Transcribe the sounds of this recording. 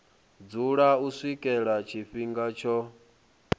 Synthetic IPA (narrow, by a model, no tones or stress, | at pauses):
d͡zuɺausʷwikʼɛɺat͡ʃʰiɸiŋɡat͡ʃʰɔ